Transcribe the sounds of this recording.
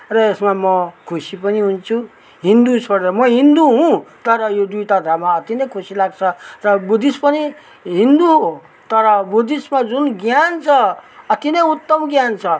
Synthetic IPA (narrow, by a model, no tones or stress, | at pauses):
rʌesmamʌkʰusipʌniɦunt͡sʰu | ɦind̪ut͡sʰoɽɾʌmʌɦind̪uɦũt̪ʌɾʌjod̪ujt̪ad̪ʱamaʌt̪inʌjkʰusilaɡt͡sʰʌrʌbud̪ispʌni | ɦind̪uɦo | t̪ʌɾʌbud̪ismad͡zunɡjant͡sʰʌʌt̪inʌjut̪ːʌmɡjant͡sʰʌ